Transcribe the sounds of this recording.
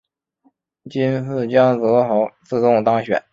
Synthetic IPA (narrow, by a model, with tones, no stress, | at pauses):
t͡ɕi˥nfɹ̩˥˩t͡ɕjɑ˥ŋt͡sɤ˧˥xo˧˥ʊt͡sɹ̩˥˧t͡s̪ʊ˥˩ŋt̪ɑ˥ŋɕɥɛ̰˨˩˦n